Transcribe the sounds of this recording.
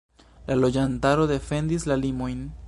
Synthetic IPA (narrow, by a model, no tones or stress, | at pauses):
lʔalo̞d͡ʒantaɾo̞ðe̞fe̞nd̪islalimo̞jn